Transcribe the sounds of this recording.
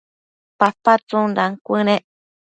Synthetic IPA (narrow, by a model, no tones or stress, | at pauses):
papat͡sunɾaŋkʷɨnẽʔ